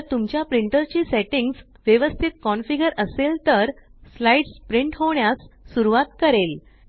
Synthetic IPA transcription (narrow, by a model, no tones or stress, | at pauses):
əɾt̪umt͡ɕjapɾiɳʈəɾt͡ɕiːseʈiŋɡs | ʋjeʋəst̪ʰit̪̚kɔnfiɡəɾəselt̪əɾslaiɖspɾiɳʈɦoɳjasːuɾuʋat̪kəɾel